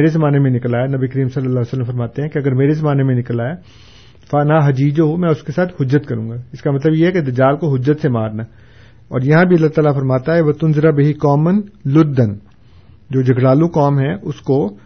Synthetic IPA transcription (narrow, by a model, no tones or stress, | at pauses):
eːɾezɐmaːnemẽnɪklaːenɐbikɐɾiːmsɐlːəlːaːesələmfɐɾmaːt̪eɦɛ̃kiɐɡəɾmeːɾezɐmaːnemẽnɪkəlaːe | faːnaːɦɐd͡ʒiːd͡ʒoɦomɛ̃ʊskesaːt̪ʰhʊd͡ʒːət̪kɐɾũːŋɡaːɪskamɐt̪̬ləbjeɦɛked̪ɐd͡ʒaːlkoɦʊd͡ʒːət̪semaːɾna | ɔːɾjɐɦãbʱiɐlːaːt̪aːlafɐɾmaːt̪aɦɛʋɐt̪ʊnzɪɾabeɦikɔːmənlʊd̪ːən | d͡ʒoːd͡ʒɐɡʱɽaːlũkɔːmɦɛ̃ʔʊsko